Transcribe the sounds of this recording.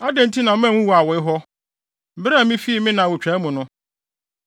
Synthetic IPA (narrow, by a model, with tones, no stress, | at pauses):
a˦dɛ̃˨n˦tʰi˦nã˨˦mã˦˨wũ˦wa˨wɔ˨ɪ˦ɦɔ˦ | m̩˦bɪ˦ɾa˦˨mĩ˦fi˦mɪ̃˦nã˨wʊ˨t͡ɕᶣɛ˨˦mʊ̃˨nʊ̃˦